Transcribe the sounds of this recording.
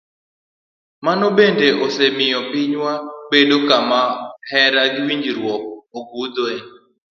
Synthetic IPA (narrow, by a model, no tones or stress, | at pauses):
manɔbendeosemɪjɔpiɲwabedokamahɛɾaɡɪwiɲd͡ʒiɾwɔk̚oɡud̪oeɲ